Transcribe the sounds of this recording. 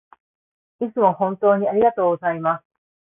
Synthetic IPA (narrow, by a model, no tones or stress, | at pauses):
it͡sɨmo̞hõ̞nt̪o̞ːɲ̟iaɾʲiɡat̪o̞ːɡozaimas